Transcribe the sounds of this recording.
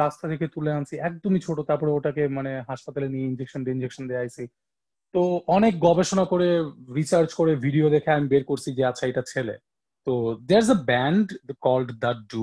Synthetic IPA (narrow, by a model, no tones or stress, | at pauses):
ast̪at̪ʰeket̪uleant͡ɕʰiɛk̚d̪omit͡ɕʰoʈot̪aɾpɔɾeoʈakemaneɦaʃpat̪alenieind͡ʑekʃonʈeind͡ʑekʃond̪eaajsʰi | t̪oɔnek̚ɡɔbeʃonakoɾeɾit͡ɕaɾt͡ɕkoɾebʱiɖiod̪ekʰeamibeɾkoɾt͡ɕʰid͡ʑeat͡ɕʰaejʈat͡ɕʰelḛ | t̪od̪eɾzəbɛɳɖkɔlɖd̪aʈ̚ɖu